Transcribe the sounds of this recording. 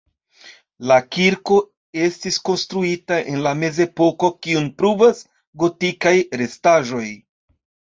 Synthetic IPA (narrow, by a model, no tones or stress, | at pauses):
lakiɾko̞ | e̞stisko̞nstɾuitaʔe̞nlame̞zepo̞ko̞kiunpɾuvas | ɡo̞tikajɾe̞staʒo̞j